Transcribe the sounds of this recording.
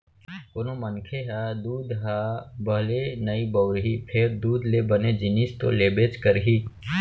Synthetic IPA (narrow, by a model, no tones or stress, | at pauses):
koːnomənkʰeɦad̪uːd̪ɦabəlenəibəʊɾɦipʰeɾd̪uːd̪lebəned͡ʒɪnist̪o̰leːbeːt͡ʃkəɾɦiː